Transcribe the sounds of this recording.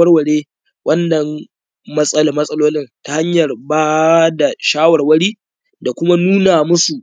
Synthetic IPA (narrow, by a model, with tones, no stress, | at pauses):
ɐ˦rwɐ˨ɽeː˦ | wʔɐ˦nːɐ˨m | mɐ˦sʼɐ˦la˦mɐ˦sʼɐ˦loː˦lɪ˦nta˨ha˦ɲjɐ˨rbaː˦da˨ʃaː˦wɐ˨rwɐ˦ɽiː˦ | da˨kʷʊ˦ma˦nuː˦naː˨mʊ˦su˨ʔ